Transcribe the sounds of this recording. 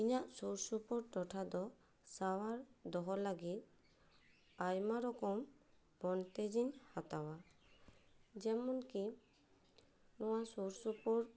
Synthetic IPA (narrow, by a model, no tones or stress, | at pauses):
iɲaʔsuɾsupɔɾʈɔʈʰad̪ɔ | sawaɾd̪ɔɦɔlaɡit̪̚ | ajmaɾɔkɔm | b̥ɔnt̪ed͡ʒiɲhat̪awa | d͡ʒɛmɔnki | nɔwasuɾsupɔɾ